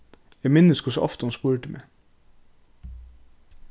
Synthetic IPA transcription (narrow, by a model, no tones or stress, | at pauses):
jæmɪnəskʰʊsəʔɑ̰ft̪əhɑnspuːɾəʈ̪ɪmʔḛ